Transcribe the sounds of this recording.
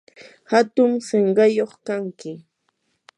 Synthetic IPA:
hat̪ʊŋseɴɢɑjoχkaŋkɪ

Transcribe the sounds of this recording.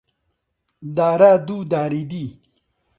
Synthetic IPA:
d̪aːɾaːd̪ud̪aːɾid̪i

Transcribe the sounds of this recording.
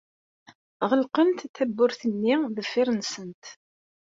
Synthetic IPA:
ʁəlqənt̪θæbːʊɾθənːiðəfːɪɾˤnsənt̪

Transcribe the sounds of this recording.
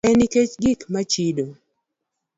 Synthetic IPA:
ɛniket͡ʃɡɪkmat͡ʃido

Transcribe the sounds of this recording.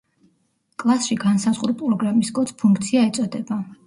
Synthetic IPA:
kʼlˠasʃiɡansazʁuɾpʼɾɔɡɾamiskʼɔt̪spʰuŋk̚ʰt̪sʰiaɛt̪sʼɔd̪ɛba

